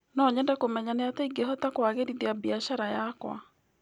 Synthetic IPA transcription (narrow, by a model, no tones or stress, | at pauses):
nɔɲɛndakomɛɲaneatɛiɡeɦɔtakwaɣedideabiaʃaɾajakwa̰